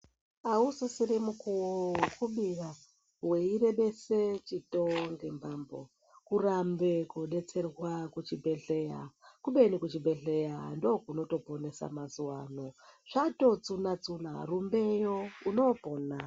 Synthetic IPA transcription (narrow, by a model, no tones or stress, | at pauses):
ausisiɾimukuwokʰuɓira | weiɾe̞ɓe̞set͡ʃitoŋɡembaːmbo̰ | kuɾambekuɗe̞t͡se̞rwakut͡ʃibʱe̞ɬeja̰kuɓenikut͡ʃibe̞ɬe̞jando̞kuno̞to̞po̞ne̞sa̰mazuwaːnoʐato̞t͡sunat͡suna̰rumbejouno̞poːna